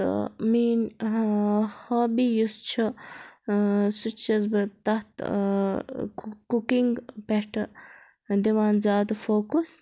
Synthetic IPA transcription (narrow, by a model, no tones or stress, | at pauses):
miːn | hoːbiːjust͡ʃʰu | sut͡ʃʰɐzbɨt̪ɐt̪ | kukiŋɡpeʈʰɨ | d̪iʋaːnzaːd̪foːkus